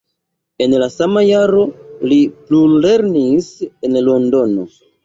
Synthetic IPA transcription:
e̞nlasamajaɾo̞liplule̞ɾnisenlo̞ndo̞no̞̰

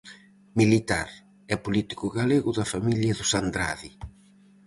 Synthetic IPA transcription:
milit̪a̰ɾ | ɛpulit̪i̥kʊɣaleɣʊðɐfamiljɐðʊsand̪ɾa̰ði

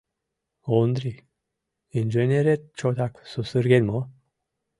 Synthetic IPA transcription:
ond̪ɾi | ind͡ʒenʲeɾet̪̚t͡ʃot̪aksusɨɾɡenʲmo

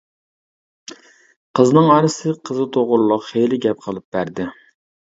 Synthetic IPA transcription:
qʰəznɨŋɑɾɨsɨqʰəzɨt̪ʰoʁʊɾlˠʊqχejlɪɡʲɛp̚qʰəlˠɨp̚b̥æɾd̪ɪ

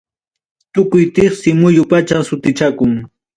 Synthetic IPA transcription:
t̪ʊkʊjt̪ɪχsɪmʊjʊpat͡ʃasʊt̪ɪt͡ʃakʊŋ

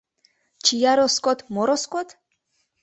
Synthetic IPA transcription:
t͡ʃʰijaɾɔskʼɔt̪ʰmɔɾɔskʼɔt̪ʰ

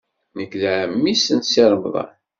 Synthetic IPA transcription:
nəkːlʕəmːisənsiɾˤəmðˤɑ̰n

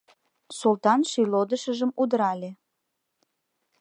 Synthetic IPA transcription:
sult̪ɑnʃylod̪əʃəʒəmud̪əɾɑlʲe

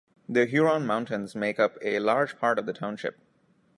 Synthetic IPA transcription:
d̪əɦjuːɾɔ̃ːnmãʊ̃nʈə̃nzmeːkʌpelaːɾd͡ʒpʰaːɾʈʌʋd̪əʈʰãʊ̃nʃɪ̰p̚

